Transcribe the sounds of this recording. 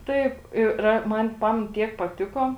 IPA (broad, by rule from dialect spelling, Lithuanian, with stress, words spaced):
ˈtɐɪp ˈɪ rɐ ˈmɐn ˈpɑːmʲɛn ˈtʲiɛk pɐˈtʲɪkoː